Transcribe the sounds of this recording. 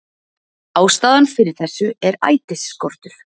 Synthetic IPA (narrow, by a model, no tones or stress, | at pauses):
aːwst̪aːðanfɪɾɪɾ̥θɛsːʏɛɾa̰ːjt̪ɪsːkɔɾ̥t̪ʏɾ̥